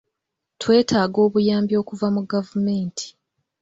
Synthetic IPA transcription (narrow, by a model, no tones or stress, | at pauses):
twe̞ːtʰaːɡo̞ːβujaːmbjo̞ːkuvamuɡavume̞ːntʰi̥